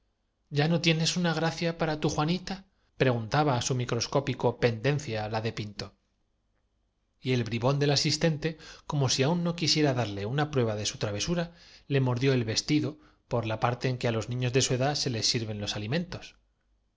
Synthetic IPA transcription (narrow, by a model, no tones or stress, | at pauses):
ɟ͡ʝano̞t̪je̞ne̞sunaɣ̞ɾaθjapaɾat̪uxwanit̪a | pɾe̞ɣ̞unt̪aβaːsumikɾo̞sko̞piko̞pe̞nd̪e̞nθjalaðe̞pint̪o̞ | ie̞lβɾiβo̞nd̪e̞lasist̪e̞nt̪e̞ko̞mo̞siaunːo̞kisje̞ɾaðaɾle̞unapɾwe̞β̞aðe̞sut̪ɾaβ̞e̞suɾale̞moɾðjo̞elβe̞st̪iðo̞ | po̞ɾlapaɾt̪e̞ːŋkealo̞znĩɲo̞zðe̞sue̞ðase̞le̞sːiɾβẽ̞nlo̞salimẽ̞nt̪o̞s